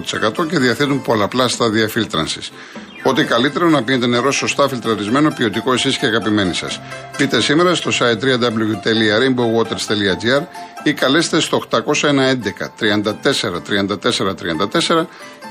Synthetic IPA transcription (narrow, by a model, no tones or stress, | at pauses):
t̪i̥se̞̰kɐt̪o̞ce̞ðiɐθet̪umpo̞lɐːplɐst̪ɐðiɐfilt̪ɾɐ̰nsi̥̰s | o̞t̪ikɐlit̪e̞ɾonɐpinet̪̬e̞ne̞ɾo̞so̞st̪ɐfilt̪ɾɐlizme̞no̞pio̞t̪iko̞esisceɐɣɐpime̞nisɐ̰spit̪e̞sime̞ɾɐst̪o̞sɐjt̪ːɾiɐnd̪ɐbluɣt̪eliɐɾembowot̪eɾst̪eliɐd͡ʒiɐɾikɐlest̪est̪o̞xt̪ɐko̞sɐenɐe̞nd̪e̞kɐ̰t̪ɾiɐnd̪ɐt̪e̞se̞ɾɐt̪ɾiɐnd̪ɐt̪e̞se̞ɾɐt̪ɾiɐnd̪ɐt̪ese̞ɾɐ